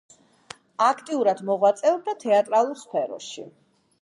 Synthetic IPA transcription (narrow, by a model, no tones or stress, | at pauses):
akʰt̪ʼiuɾad̪mɔʁwat̪sʼɛɔb̚d̪at̪ʰɛat̪ʼɾalˠuɾspʰɛɾɔ̰ʃi